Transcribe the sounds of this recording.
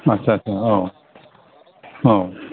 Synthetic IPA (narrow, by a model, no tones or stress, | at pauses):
ətːɕʰaɐtːɕʰaɦo | o